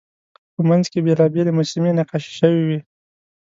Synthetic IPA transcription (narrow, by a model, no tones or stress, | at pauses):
pəmanzkebelɑbelemosɪmenaqaʃe̥ʃəwiwi